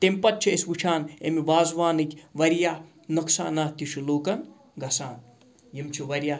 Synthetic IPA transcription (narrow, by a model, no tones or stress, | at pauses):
t̪empɐt̪̚t͡ʃʰiesʋut͡ʃʰaːnemiʋaːzʋaːnɨt̪ʰʲʋɐɾjaː | nɐksa̰ːnaːt̪iʃuloːkɐn | ɡɐsaːn | jimt͡ʃʰiʋɐɾʲjaː